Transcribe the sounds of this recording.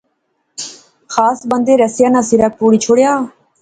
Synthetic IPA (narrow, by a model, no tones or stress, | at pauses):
xʰaːsbənd̪eːɾɛsɪjaːnãːsiɾaːpuːɽiːt͡ʃʰoɽjaː